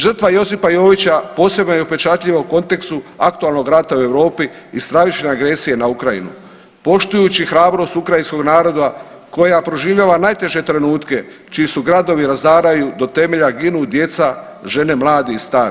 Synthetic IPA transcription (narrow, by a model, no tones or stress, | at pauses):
ʒr̩t̪ʋajo̞sipajo̞ːʋit͡ɕapo̞ːse̞bnojeupe̞t͡ʃat̪ʎʲiʋauko̞nt̪e̞kst̪uak̚t̪ualˠno̞ɡɾat̪aue̞ʋɾo̞ːpiː | st̪ɾaʋit͡ʃne̞aɡɾe̞sije̞naukɾaḭnṵ | po̞ʃt̪ujut͡ɕixɾaːbɾo̞st̪ukɾajinsko̞ɡnaːɾo̞d̪a | ko̞japɾo̞ʒiːʋʎaːʋanajt̪e̞ʒe̞t̪ɾe̞nuːt̪ke̞ | t͡ʃiisuɡɾad̪o̞ʋiɾazd̪aːɾajud̪o̞t̪e̞me̞ʎaɡinud̪je̞t̪sa | ʒe̞ne̞mlˠaːd̪iist̪aːɾi